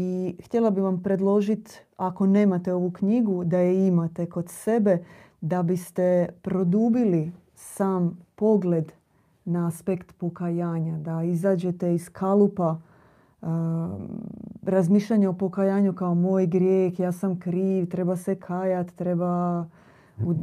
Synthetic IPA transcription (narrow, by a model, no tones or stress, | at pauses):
ixt̪ʲje̞lˠabiʋampɾe̞d̪lˠo̞ʒit̪ako̞ne̞ːmat̪e̞o̞ʋukɲiɡud̪ajeimat̪e̞ko̞d̪se̞be̞ | d̪abist̪e̞pɾo̞d̪ubili | saːmpo̞ɡle̞d̪ | naaspekt̪po̞kajaːɲad̪aizaːd͡ʑe̞t̪eiskʰalupa | ɾazmiʃʎaɲao̞po̞kajaːɲukaomoːjɡɾjeːxjaːsamkɾiːʋt̪ɾe̞basekʰaːjat̪ːɾe̞ba | u